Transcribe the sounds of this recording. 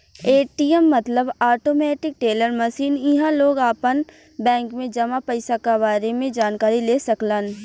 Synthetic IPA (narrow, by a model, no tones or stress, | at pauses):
eːʈiɛmːɐt̪ləbaːʈoːmɛːʈɪk̚ʈeːləɾmɐʃiːnɪɦãloːɡaːpən | bɛ̃ːŋkmẽd͡ʒɐmapəɪsakabaːɾemẽd͡ʒaːnkaːɾileːsɐkləːn